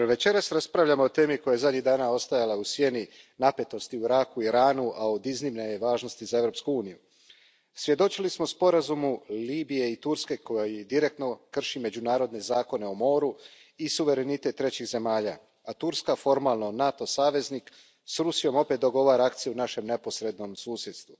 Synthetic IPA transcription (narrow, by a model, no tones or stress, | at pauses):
ʋe̞t͡ɕe̞ɾasɾaspɾaʋʎamo̞ot̪e̞ːmiko̞jajezad̪ɲiɣd̪aːnao̞st̪ajalausʋje̞ni | nape̞t̪o̞st̪iuiɾakuiɾaːnuʔao̞d̪iznimneʋaːʒno̞st̪izae̞ʋɾo̞pskuuːniju | sʋje̞d̪o̞t͡ʃilismo̞spo̞ɾazumuliːbije̞it̪uɾske̞kojid̪iɾe̞k̚t̪no̞kr̩ʃime̞d͡ʑunaːɾo̞d̪ne̞zaːko̞ne̞o̞mo̞ːɾu | isuʋe̞ɾe̞nit̪e̞t̪ːɾe̞t͡ɕiɣze̞maːʎa̰ | at̪uɾskafo̞ɾmaːlˠno̞nat̪o̞saːʋe̞zniːk | sɾusijo̞mo̞pe̞t̪d̪o̞ɡo̞ʋaːɾaak̚t̪sijuunaʃe̞mne̞po̞sɾe̞d̪no̞msuːsje̞d̪st̪ʋu